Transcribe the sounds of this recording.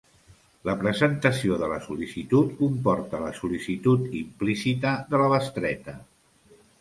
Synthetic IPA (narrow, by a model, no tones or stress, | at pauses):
ləpɾəzənt̪əsioðələsulisit̪ut̪kumpɔɾt̪ələsulisit̪ut̪implisit̪əðələβəst̪ɾɛt̪ə